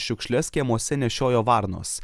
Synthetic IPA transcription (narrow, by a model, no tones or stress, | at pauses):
ʃʲʊkʃʲlʲɛskʲiɛmoɔsʲɛnʲɛʃʲoːjoːʋɑɾno̰ːs